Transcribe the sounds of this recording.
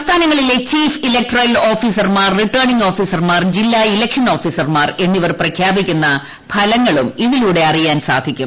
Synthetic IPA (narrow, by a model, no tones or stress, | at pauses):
st̪ʰaːnɐŋːɐɭile̞t͡ɕiːfilek̚ʈrɐlo̞ːfiːsɐrmaːrːiʈːɐːɳiŋɡo̞ːfiːsɐrmaːrd͡ʑilːailɐkʂɐno̞ːfiːsɐrmaːre̞nːiʋɐrprɐkʰjaːbikʲːunːɐ | pʰɐlɐŋːɐɭumiðiluːɽe̞ɐrijaːnsa̰ːd̪ʱikʲːum